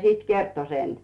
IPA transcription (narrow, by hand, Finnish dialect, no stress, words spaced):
sit kerto sen